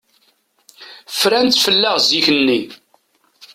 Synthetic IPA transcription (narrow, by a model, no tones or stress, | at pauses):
fɾænt̪fəlːæʁziçənːi